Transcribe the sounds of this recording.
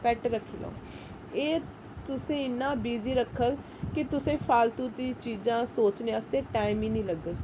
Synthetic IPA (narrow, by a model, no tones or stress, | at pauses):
pɛːʈɾəkʰːiːlõ̰ː | eː | t̪ʊsẽːɪnːãːbiːziːɾəkʰːəl | kɪt̪ʊsẽːpʰaːlt̪uːt̪iːt͡ʃiːd͡ʒãːsoːt͡ʃneãst̪eːʈaːɪmĩːnĩːləɡəl